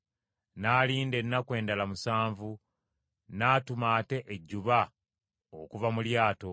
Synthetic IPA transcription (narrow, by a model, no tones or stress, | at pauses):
naːliːnde̞nːakwe̞ːndalamusaːɱvu | naːtumaːte̞ʔeɟːuβa | okuvamuljaːto̞